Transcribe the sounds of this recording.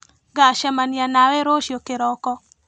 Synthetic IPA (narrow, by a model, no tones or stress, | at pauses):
ɡaʃamanjanawɛɾoʃjokeɾɔkɔ